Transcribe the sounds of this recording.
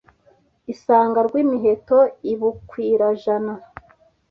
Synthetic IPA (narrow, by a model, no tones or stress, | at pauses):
isaːŋɡaɾɡwiːmiɦe̞toiβukwiːɾaʒana